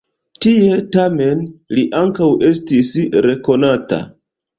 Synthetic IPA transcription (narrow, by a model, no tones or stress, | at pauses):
tie̞tame̞nliʔaŋkawʔe̞stisɾe̞ko̞nata̰